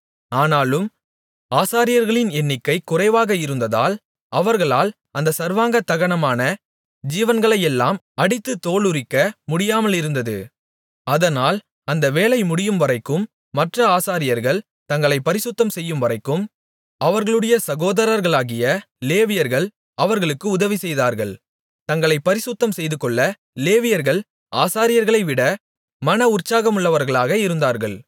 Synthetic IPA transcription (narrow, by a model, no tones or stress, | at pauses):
aːnaːlɯm | aːsaːɾɪjɐɾɣɐɭɪnɛnːɪkːɐɪkːʊrɐɪʋaːɣɐɪɾɯnd̪ɐða̰ːl | ɐʋɐɾɣɐɭaːl | ɐnd̪ɐsɐɾʋaːŋɡɐt̪ːɐɣɐɳɐmaːnɐ | d͡ʒiːʋɐnɡɐɭɐjɛlːaːm | ɐɽɪt̪ːɯt̪oːɭɯɾɪkːɐmʊɽɪjaːmɐlɪɾɯnd̪ɐðɯ̰ | ɐðɐnaːl | ɐnd̪ɐʋeːlɐɪmʊɽɪjɯmʋɐɾɐɪkːɯmː | ɐʈrɐaːsaːɾɪjɐɾɣɐɭ | t̪ɐŋɡɐɭɐɪpːɐɾɪsʊt̪ːɐmsɛjːɯmʋɐɾɐɪkːɯm | ɐʋɐɾɣɐɭɯɽɐjɐsɐɣoːðɐɾɐɾɣɐɭaːɣɪjɐ | leːʋɪjɐɾɣɐɭ | ɐʋɐɾɣɐɭɯkːɯʊðɐʋisɛjðaːɾɣɐɭ | t̪ɐŋɡɐɭɐɪpːɐɾɪsʊt̪ːɐmsɛjðɯkɔɭːɐ | leːʋɪjɐɾɣɐɭ | aːsaːɾɪjɐɾɣɐɭɐɪʋɪɽɐ | mɐnɐʊrt͡ʃaːɣɐmʊɭːɐʋɐɾɣɐɭaːɣɐɪɾɯnd̪aːɾɣɐɭ